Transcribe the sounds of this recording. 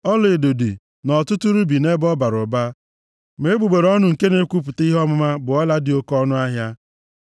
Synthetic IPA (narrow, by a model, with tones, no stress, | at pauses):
ɔ˦le˨do˨di˨ | nɔ˨tʊ˦tu˦ɾu˦bi˨ne˦bɔ˦ba˨ɾʊ˨ba˦ | me˨˦e˦ɡ͡bu˨ɡ͡be˨ɾɔ˦nʊ˨ŋ̩˨ke˦ne˦kʷu˦p̬ʊ˨ti˦ɦɔ˦mʊ˦ma˦bʊ˨ɔ˦la˦dɪ˨o˦kɔ˦nʊ˦a˦ɦja˦